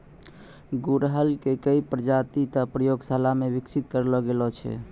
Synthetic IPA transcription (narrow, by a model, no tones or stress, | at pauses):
ɡuɾɦəlkekəipɾəd͡ʒat̪it̪əpɾəjoɡsalamebiksit̪̚kəɾlɔɡelɔt͡ʃʰɛ̰